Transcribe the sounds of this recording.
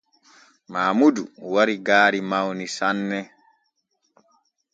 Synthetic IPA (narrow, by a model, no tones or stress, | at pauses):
maːmuduwaɾiɡaːɾimawnisanːɛ